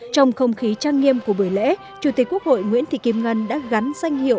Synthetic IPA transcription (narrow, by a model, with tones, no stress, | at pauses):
t͡ɕɔ˧wŋ͡mxə˧wŋ͡mxi˨˦t͡ɕaː˧ŋːi˧əmku˧˩əɓɨ˧˩əjlḛ˧˥ | t͡ɕu˨˧˩t̪i˨˩k̟ku˦˥ək̚ho̰˧˨jŋwḭ˧˥ənt̪i˧˨ki˧˩m̚ŋə˨˧˩nɗa̰ː˧˥ɣa˨˦nzwa˧jŋ̟hḭ˧˨əw